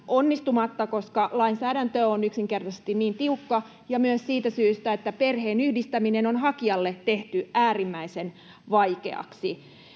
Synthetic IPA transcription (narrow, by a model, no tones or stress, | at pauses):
ʔonːist̪umɑt̪ːɑkoskɑlɑinsæːɾænt̪øonyksiŋkert̪ɑsest̪inniːnt̪iukːɑ | jɑmyøssiːt̪æsyːst̪æet̪ːæperheːnyhdist̪æminenonhɑkiɑlːett̪eht̪yʔæːrimːæisen | ʋɑikḛɑ̰ksi